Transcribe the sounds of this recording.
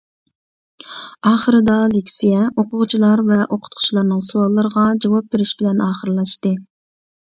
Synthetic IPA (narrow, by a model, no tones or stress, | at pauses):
ɑːχəɾɨd̪ɑlekʲsijɛoqʰʊʁt͡ʃʰilˠɑɾvɛʔoqʰʊ̥t̪̚qʰʊ̥t͡ʃʰlˠɑɾnɨŋsuwɑlˠːəɾəʁɑd͡ʒɑwɑp̚beɾɪʃbɪlɛnɑːχəɾlˠɑʃt̪ɨ